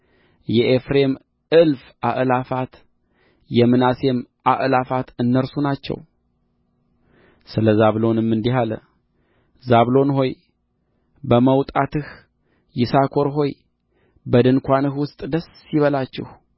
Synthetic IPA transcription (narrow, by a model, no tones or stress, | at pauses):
jɛʔefɾe̞m | ʔɨlf | ʔaʔɨlafat̪ | jɛmɨnase̞mʔaʔɨlafat̪ɨnːəɾsunat͡ʃːɛ̰w | sɨləzaβlo̞nɨmːɨnd̪iɦalə̰ | zaβlo̞nɦo̞j | bəməwt̪ʼat̪ɨhː | ɪsakʰo̞ɾɦo̞j | bəd̪ɨnkʷanɨhwʊst̪ʼd̪əsːiβəlat͡ʃːɛ̰h